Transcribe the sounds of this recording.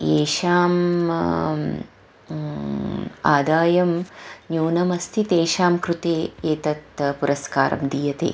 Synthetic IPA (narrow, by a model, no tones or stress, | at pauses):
eːʃaːm | a̰ːd̪aːjɐmnjuːnɐmɐst̪ʰit̪eːʃaːmkɾut̪eːeːt̪ɐt̪puɾɐska̰ːɾɐ̰md̪iːjɐt̪ḛː